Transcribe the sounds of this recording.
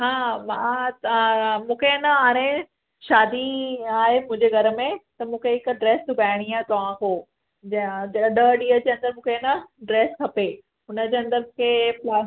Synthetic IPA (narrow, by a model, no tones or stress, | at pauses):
ɦãːmã | mũːkʰenɐaːɾ̃ẽ | ʃaːd̪iaːɦemʊ̃ɦɪ̃ɲd͡ʑeɡʱɐɾəmẽt̪ɐmũːkʰeɦɪkɖɾeːst̪ubʱaːɪɽ̃iaːɦet̪ɐʋãkoː | d͡ʑd͡ʑɐɗəɗiːəd͡ʑeːɐ̃nd̪əɾmũːkʰenɐɖɾeːskʰɐpe | ɦʊnəd͡ʑeːɐ̃nd̪əɾkʰeːpa